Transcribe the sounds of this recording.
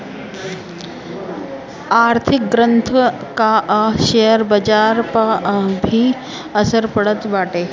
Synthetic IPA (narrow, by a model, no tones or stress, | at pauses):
aɾt̪ʰik̚ɡɾənt̪ʰkaʔʃejəɾbəd͡ʑaːɾpabʱiː | əsəɾpəɽət̪ʋaːʈe